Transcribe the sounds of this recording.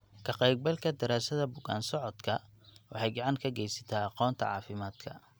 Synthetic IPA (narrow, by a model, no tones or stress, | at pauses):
kʰɐqɛjɡ̚bɐlkʰɐd̪ɐɾaːsɐðɐbʊɣa̰ːnsɔʕɔd̪kʰɐwɑħɑjɡɑʕɑŋkʰɐɡɛjsɐ̥t̪ʰaːɑqɔːnt̪ʰɐ̰ʕɑ̰ːfɪmaːd̪̥kʰɐ